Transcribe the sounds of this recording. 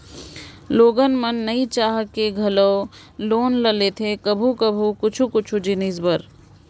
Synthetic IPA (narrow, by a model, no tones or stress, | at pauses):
loːɡənmənːɐĩt͡ʃaːɦkeɡʱɐloː | loːnlɐlet̪ʰekɐbʱukəbʱukʊt͡ʃʰukʊt͡ʃʰud͡ʒinizbəɾ